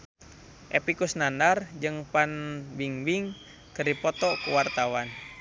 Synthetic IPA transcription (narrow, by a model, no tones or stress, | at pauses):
ʔepikusnanard͡ʒɨŋpanwiŋwiŋ | kərdipɔt̪ɔkuwart̪awan